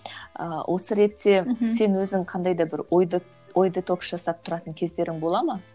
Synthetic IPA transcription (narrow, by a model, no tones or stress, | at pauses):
ə̰wʔo̞səɾe̞t̪ːe̞se̞nwɵzɪŋqʰɑnd̪ɑjd̪ɑbɪɾjd̪ | o̞jd̪ət̪ʰo̞ksʒ̥ɑsɑp̚t̪ʰʊɾɑt̪əŋkʲʰe̞zd̪e̞ɾɪŋbo̞lˠɑmɑ